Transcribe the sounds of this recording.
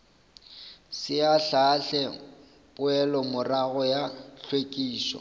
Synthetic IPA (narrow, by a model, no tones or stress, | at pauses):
sɪaɬaɬɛ | pʼʊɛlɔmʊraɣɔjaɬwekʼiːsɔ̰